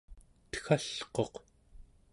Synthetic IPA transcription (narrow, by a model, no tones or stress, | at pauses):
t̪xaɬqo̞q